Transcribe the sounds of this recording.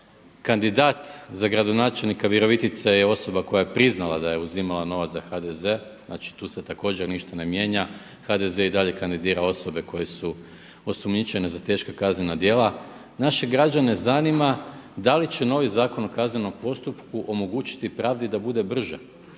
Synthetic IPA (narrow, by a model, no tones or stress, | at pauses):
kand̪id̪aːt̪zaɡɾad̪o̞naːt͡ʃe̞lˠnikaʋjeɾo̞ʋit̪it̪sejeo̞so̞bako̞jajepɾiznalˠa̰d̪ajeuzimalano̞ʋat̪axad̪ezezna̰t͡ʃi̥t̪uːset̪ako̞ːd͡ʑeɾniʃt̪ane̞mje̞ːɲa | xad̪e̞ze̞id̪aʎe̞kand̪id̪iːɾao̞so̞be̞ko̞je̞su | o̞sumɲit͡ɕe̞ne̞zat̪e̞ːʃkakazɲenad̪je̞ːlˠa | naʃe̞ɡɾad͡ʒane̞zanimad̪alit͡ɕe̞no̞ʋizaːko̞nokazɲeno̞mpo̞st̪upkuʔo̞mo̞ɡut͡ɕi̥t̪ipɾaːʋd̪id̪abud̪e̞br̩ʒḛ